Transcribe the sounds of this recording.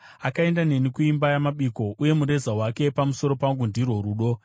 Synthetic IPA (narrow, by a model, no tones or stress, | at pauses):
akae̞ndane̞nikuimbajamaɓiko̞ʔuje̞muɾe̞zawake̞pamuso̞ɾo̞paŋɡundirwo̞ɾuːɗo̞